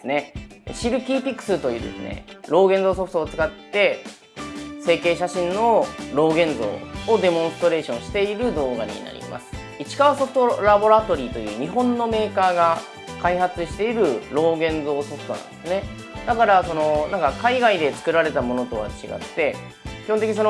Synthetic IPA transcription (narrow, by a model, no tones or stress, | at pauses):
sɨne̞ɕiɾɯ̟pʲiːpʲikːɯ̟̥sɨt̪o̞jɯ̟ːd̪e̞̰sɨne̞̰ɾo̞ːɡẽ̞ñd͡zo̞ːso̞ɸɯ̟̥t̪oːt͡sɨ̥kat̪ːe̞ | se̞ːke̞ːɕaɕĩnno̞ɾo̞ːɡẽ̞nd͡zzo̞̰ːod̪e̞mõ̞ɰ̃st̪oɾe̞ːɕõ̞ɰ̃ɕi̥t̪e̞iɾɯ̟d̪o̞ːɡaɲ̟ḭna̰ɾʲḭmʔa̰sɨ̥ | it͡ɕi̥kaβaso̞ɸɯ̟̥t̪oɾabo̞ɾat̪o̞ɾʲiːt̪o̞jɯ̟ːɲ̟iɦõ̞nːo̞me̞ːkaːɡa | kaihat͡sɨɕi̥t̪e̞iɾɯ̟ɾo̞ːɡẽ̞nd͡zo̞ːso̞ɸɯ̟̥t̪o̞nã̰nd̪esɨne̞ | d̪̥akaɾaso̞no̞nãŋkakaiɡaid̪e̞t͡sɨ̥kɯ̟ɾaɾe̞t̪amo̞no̞t̪o̞β̞a̰t͡ɕiɡa̰t̪ːe̞ | kʲihont̪eiɲiso̞no